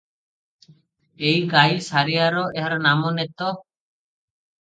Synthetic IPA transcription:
ejɡajsaɾijaɾɔʔɛɦaɾɔnamɔnɛt̪ɔ

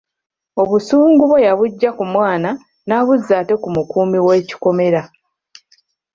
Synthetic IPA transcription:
o̞βusuːŋɡuβojaβuɟːakumwaːna | naːβuzːaːte̞kumukuːmiwe̞ːci̥ko̞me̞ɾa

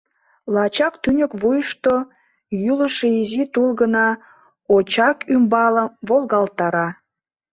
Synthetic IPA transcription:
lɑt͡ɕɑkt̪ynʲəkβujəʃt̪o | jyləʃeizit̪ulɣənɑ | ot͡ɕɑkʰymbɑləmβolɣɑlt̪ɑɾɑ

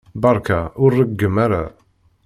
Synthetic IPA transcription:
bɑɾˤkʰaʊɾːəɡɡːəmːaɾa̰

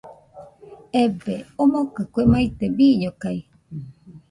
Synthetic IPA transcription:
ebeomokɨkʷemait̪ebiɲokai

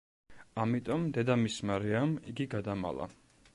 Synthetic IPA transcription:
amit̪ʼɔmd̪ɛd̪amismaɾiamiɡiɡad̪ama̰lˠa̰

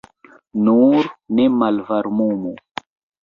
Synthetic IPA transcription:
nuɾnemalvaɾmumu

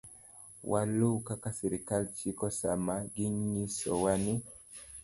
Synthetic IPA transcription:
wʔalukakasiɾikalt͡ʃikɔsamaɡiɲisɔ̰wani

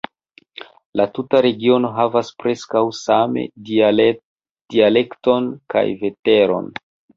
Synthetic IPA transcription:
latutaɾe̞ɡio̞no̞ɦavaspɾe̞skawsame̞̰ | d̥iale̞kto̞nka̰jve̞te̞ɾo̞̰n

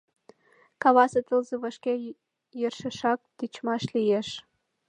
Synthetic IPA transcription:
kɑβɑsɤt̪əlzəβɑʃke | jərʃə̆ʃɑk̚t̪it͡ɕmɑʃlijeʃ

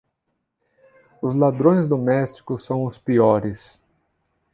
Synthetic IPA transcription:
ʊzlad̪ɾõj̃zd̪omɛst͡ʃi̥kʊsːɐ̃w̃ʊspiɔɾɪs

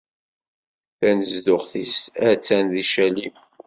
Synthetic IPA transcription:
θænəzðʊχθisæt͡sːænðiʃælim

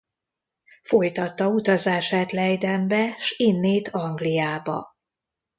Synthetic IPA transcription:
fo̞jt̪ɒt̪ːɒut̪ɒzaːʃaːt̪lɛjd̪ɛmbɛʃinːeːt̪ʰɒŋɡlijaːbɒ̰

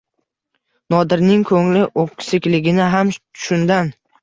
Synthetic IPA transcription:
nɒd̪ɪɾnɪŋkʰɵŋlɪʔoqsɪkʲlɪɡʲɪnɪɦamt̪ʰʊ̥ʃʊnd̪an

